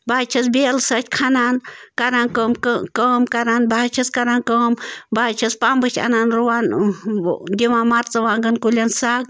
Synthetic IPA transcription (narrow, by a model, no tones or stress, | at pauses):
baːt͡ʃʰɐsbelsɐt͡ʃʰʲkʰanankaɾankəmkkəːmkaɾanbaːt͡ʃʰɐskaɾankəːmbaːt͡ʃʰɐspambɨt͡ʃʲʰa̰naːnɾuwaːn | d̪ʲiʋamaɾt͡sɐʋaːŋɡənkulʲansaɡ̚